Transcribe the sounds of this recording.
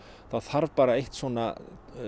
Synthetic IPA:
θaðθaɾvpaːɾaejht̪svɔːna̰

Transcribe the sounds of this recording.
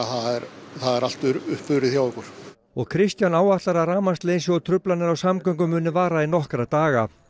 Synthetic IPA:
θaðɛɾθaðɛɾal̥t̪ʏɾʏhpfʏɾɪθjaːwɛkʏɾ̥ | ɔɣkʰɾɪst̪janaːwaht̪laɾaɾaːmast̪leːjnsɔɔt̪ʰɾʏplanɪɾawsamkœŋk̬ʏmːʏːnɪvaːɾainɔhkɾat̪aːɣa

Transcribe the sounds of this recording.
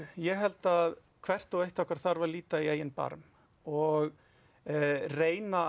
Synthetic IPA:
jɛɣɦɛlt̪að | kʰv̥ɛr̥t̪ɔwejht̪ɔhkvaɾ̥θaɾvaɾliːt̪aieːjɪnpa̰ɾm | ɔɣ | reːjna

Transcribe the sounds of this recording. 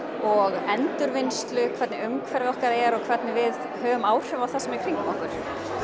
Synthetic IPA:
ɔɣɛnt̪ʏɾvɪnst̪lʏkʰvɛɾt̪nɪʏmkʰvɛɾvɪɔhkaðɛɾɔɣkʰvɛɾt̪nɪvɪð | hœːvʏmaːwr̥ʏvawθasɛmɪɾkʰɾiŋkʏmɔhkʏɾ̥

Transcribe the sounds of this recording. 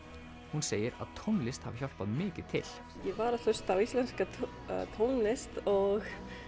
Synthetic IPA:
hunseːjəɾa̰ðt̪ʰownlɪst̪ha̰vçɔlp̪aðmɪːcɪt̪ʰːɪl | jɛvaɾaθœst̪awist̪lɛnska̰ | t̪ʰownlɪst̪ɔɣ

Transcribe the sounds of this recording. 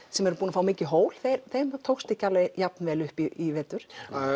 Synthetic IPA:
sɛmɛɾʏpuːnafaːwmiːcɪɦoːwl̥θejɾθejmat̪ʰoːwxst̪ɪcaːlajap̚nvɛːlʏhpiivɛːt̪ʏɾ̥

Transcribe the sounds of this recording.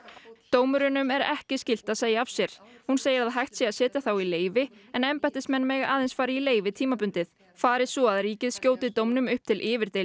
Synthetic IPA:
t̪oːwmʏɾʏnʏmɛɾɛhcɪscɪl̥t̪aðseːjaav̥sjɛɾ̥hunseːjɪɾaðɦajht̪sjɛaðsɛːt̪ɪθawileːjvɪɛnɛmpajt̪ɪsmɛnmɛɣa̰ːðensfaːɾɪileːjvɪt̪ʰiːmapʏnt̪ɪð | faːɾɪsɔaðɾiːcɪðscjoːwt̪ɪt̪owmnʏmʏhp̚t̪ʰɪlʔɪːvɪɾt̪ej

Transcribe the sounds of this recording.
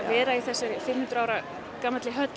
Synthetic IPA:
vɛːɾaiθɛsːɛɾfɪmːhʉnt̪ɾaːwɾa | kaːmat̪lɪɦœt̪

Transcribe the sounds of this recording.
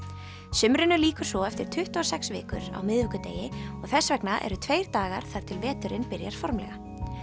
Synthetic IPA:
sʏmɾɪnʏliːkʏ̥sɔɛft̪ɪɾ̥t̪ʰʏht̪uɔsɛksvɪ̰ːkʏ̰ɾa̰wmɪðvɪkʏt̪ḛːjɪɔɣθɛsvɛknaʔɛ̰ɾʏt̪ʰvejɾ̥t̪aːɣa̰ɾ̥θaɾ̥t̪ʰɪlvɛːt̪ʏɾɪnpɪɾjaɾ̥fɔɾmlɛ̰ɣa

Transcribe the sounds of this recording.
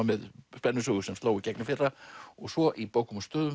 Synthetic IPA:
amɛðspɛnːʏsuɣʏsɛmst̪loːwicɛknɪfɪrːaɔɣsvɔʔipowkʏmɔst̪œːðʏm

